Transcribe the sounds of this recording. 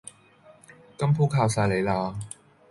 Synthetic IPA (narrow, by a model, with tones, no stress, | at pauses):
kɐ˥mpʰuː˥kʰaː˧wsaː˧jle˨˧jlaː˧